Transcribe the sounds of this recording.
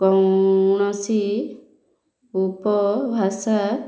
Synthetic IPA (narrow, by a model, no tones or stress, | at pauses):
ɡ̥ɔŋnɔsi | upɔbʱasa